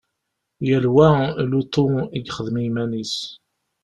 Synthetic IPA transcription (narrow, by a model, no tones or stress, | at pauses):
jælwælut̪ˤoiɡχəðmijmænis